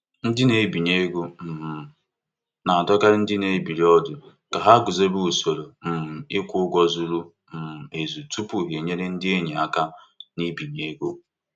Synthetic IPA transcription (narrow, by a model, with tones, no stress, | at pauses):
n̩˦dɪ˦ne˨˦bi˨ɲe˦ɡu˦m̩˨ | na˨dɔ˦ka˦ɪ˦n̩˦dɪ˦ne˨˦bi˨ɾi˦ɔ˦dʊ˨ | ka˨ɦa˦ɡʊ˨ze˦bu˦u˨so˨ɾo˨m̩˨m̩˨ɪ˦kʷʊ˦ɡʷɔ˦zu˦lu˦ | m̩˨m̩˨e˨zu˨tu˦pu˨ɦe˨ɲe˦ɾe˦n̩˦dɪ˦e˦ɲi˨a˨ka˦ni˦bi˨ɲe˨˦ɡo˦˨